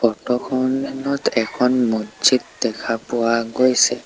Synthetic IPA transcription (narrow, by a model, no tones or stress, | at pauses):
pɔtɔkʰɔnɛnɔtʰɛkʰɔnmod͡ʒitdɛkʰapʊaɡojsɛ